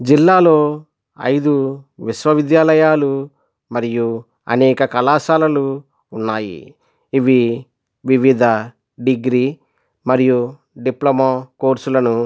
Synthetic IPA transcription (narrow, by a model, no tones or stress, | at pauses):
d͡ʒilːaːlo̞ː | ɐ̰jd̪uʋiʃʋɐʋid̪jaːlɐjaːlu | mɐɾiju | ɐ̰nɛːkɐkɐlaːʃaːlɐluː | nːaːjḭː | ʋi | ʋiʋid̪ʱɐ | ɖiɡɾiː | mɐɾiju | ɖiplɐmaːkoːɾsulɐnu